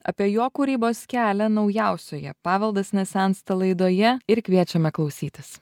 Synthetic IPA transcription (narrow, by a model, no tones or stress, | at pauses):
ɐ̰pʲiɛjoːkuːɾʲiːboːskʲæːlʲɛnɒʊjæˑʊsʲoːjɛ̰pɑːʋʲɛlˠd̪ɐsʲnʲɛsʲɛnt̪st̪ɐlˠɐɪd̪oːjɛɪɾkʲʋʲiɛt͡ʃʲɛmʲɛklˠɒʊsʲiːt̪ʲɪs